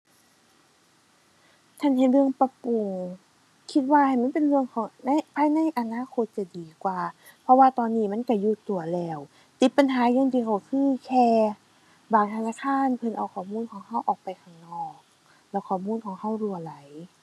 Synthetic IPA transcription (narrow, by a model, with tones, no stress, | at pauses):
t̪ʰa˧˥˨nhe˧˩lɯ˧əŋpa˧pu˨˩ŋ | kʰi˧t̪̚waː˧ha˨˩jma˧˥˨pe˨nlɯ˧əŋkʰɔː˨˦ŋna˧˨jpʰaː˧˥jna˧˥˨jʔa˧˨naː˧˥˨kʰo˧˦t̪̚t͡ɕa˧˩diː˨˦kwaː˨˩ | pʰɔ˧waː˧t̪ɔː˧˨nːiː˧˩ma˧˥˨nka˧˩juː˧˩t̪u˨˩ɐlɛː˧˩w | t̪i˧˥t̪̚pa˨nɦaː˨˦jɔː˧˥˨ŋt̪iː˧˩kʰa˨˩wsʰɯː˧˥˨kʰɛː˧ | baː˨˩ŋt̪ʰa˧naː˧˨kʰaː˧˥˨npʰɤ˧˩nʔa˧˩wkʰɔː˨˩muː˧˥˨nkʰɔː˨˦ŋha˧˥˨wʔɔː˨˩k̚pa˨˦jkʰa˧˩ŋnɔː˧˩k̚ | lɛː˧˩wkʰɔː˨˩muː˧˥˨nkʰɔː˨˦ŋha˧˥˩wlu˧˩əla˨˦j